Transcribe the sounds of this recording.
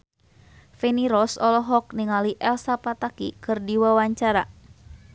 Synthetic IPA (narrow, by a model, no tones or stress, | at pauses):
fɛniɾɔsɔlɔɦɔk̚niŋaliʔɛlsapat̪akḭkɨrdiwawaɲt͡ʃaɾa